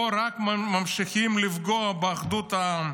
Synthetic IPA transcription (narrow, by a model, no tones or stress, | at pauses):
oɾakmamʃiχimlifɡoabeaχd̪ut̪a